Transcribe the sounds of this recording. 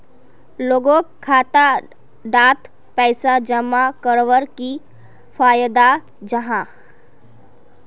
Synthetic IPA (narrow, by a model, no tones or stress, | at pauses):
loːɡõːkkʰːaːt̪a | ɖaːt̪ | pɛɪsad͡ʒəmːakəɾʋəɾki | pʰaːjəd̪a | d͡ʒəɦã